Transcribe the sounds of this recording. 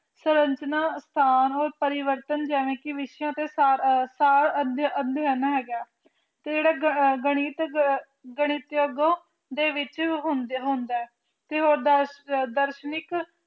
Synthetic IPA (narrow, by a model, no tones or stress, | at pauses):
səɾəɲt͡ʃnaːst̪ʰaːnɦoːɾpəɾɪʋəɾt̪ənd͡ʒɛːʋẽːkɪʋɪʃjãːt̪eːsɾsaːɾəd̪ənd̪ɛːnãːɦɛːɡaː | t̪eːd͡ʒeːɽaːɡəɽ̃iːt̪ | ɡəɽ̃iːt̪joːɡõː | d̪eːʋɪt͡ʃɦʊnd̪ɦõnd̪ɛːɛː | t̪eːɦoːɾd̪d̪əɾʃnɪk